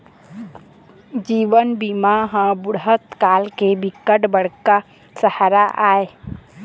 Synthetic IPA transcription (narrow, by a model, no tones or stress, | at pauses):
d͡ʒiːʋənbimaɦãbʊɽɦət̪kaːlkebɪkːəʈbəɽka | səhaɾaʔaːe